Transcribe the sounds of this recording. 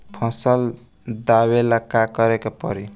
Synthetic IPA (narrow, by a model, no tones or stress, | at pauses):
pʰɔ̃səl | d̪aβeləkːakʌɾekepʌ̰ɾi